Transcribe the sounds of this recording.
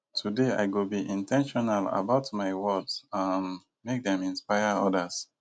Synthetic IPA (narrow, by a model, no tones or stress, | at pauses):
tʰudea̰ɪɡobiʔĩntʰɛ̃nʃɔnala̰baʊtmaɪwɔdsamː | ek̚dɛ̃mĩnspaɪəɔdəs